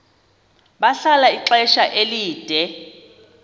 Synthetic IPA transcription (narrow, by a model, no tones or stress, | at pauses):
ɓaɬalaiǁɛʃaʔeliːd̥ʱɛ